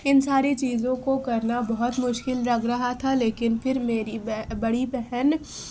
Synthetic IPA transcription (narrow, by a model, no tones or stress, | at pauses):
ɪnsaːɾet͡ʃiːzõkokɐɾnabɐɦʊt̪mʊʃkɪlɾɐɡɾɐɦat̪ʰaleːkɪnfʰɪɾmeːɾibɐɽibɛɦɛn